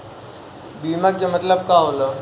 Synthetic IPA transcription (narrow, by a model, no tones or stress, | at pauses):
biːmakkemət̪ləb̚kaɦolo